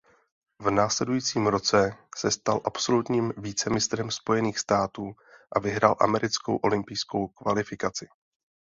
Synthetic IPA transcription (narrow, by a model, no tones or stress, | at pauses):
vnaːslɛdujiːt͡siːmɾo̞t͡sɛsɛst̪alʔapso̞lut̪ɲiːmviːt͡sɛmɪst̪ɾɛmspo̞jɛniːxst̪aːt̪uːʔavɪɦɾa̰ːlʔa̰mɛɾɪt͡sko̞wʔo̞lɪmpɪjsko̞wkvalɪfɪkat͡sɪ̥